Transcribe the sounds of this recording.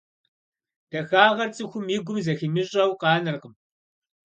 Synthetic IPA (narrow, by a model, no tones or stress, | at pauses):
d̥ɐxaːʁɐrt͡sʼɨxʷʊmiɡʷʊmzɐxiːmɨɕʼɐwqɑːnɨrqəm